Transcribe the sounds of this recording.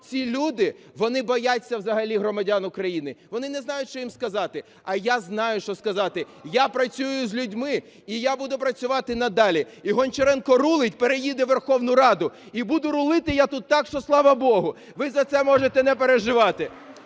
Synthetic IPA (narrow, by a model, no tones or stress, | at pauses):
t͡sʲilʲud̪ɪ | ʋɔnɪbɔjat͡sʲːɐwzɐɦɐlʲiɦɾɔmɐdʲanʊkɾɐjinɪʋɔnɪnɛznɑjʊtʲʃt͡ʃɔjimskɐzɑt̪ɪ | ɐjaznɑjʊʃt͡ʃɔskɐzɑt̪ɪ | japɾɐt͡sʲujʊzʲlʲʊdʲmɪ | ijabud̪ʊpɾɐt͡sʲʊʋɑt̪ɪnɐd̪ɑlʲiiɦɔnʲt͡ʃɔɾɛnkɔrulˠɪtʲpeɾejid̪ɛʋerxɔwnʊɾɑd̪ʊ | ibud̪ʊɾʊlˠɪt̪ɪjat̪ut̪ːɑkʃt͡ʃɔslˠɑʋɐbɔɦʊ | ʋɪzɐt̪sɛmɔʒet̪ɛnɛpeɾeʒɪʋɑt̪ɪ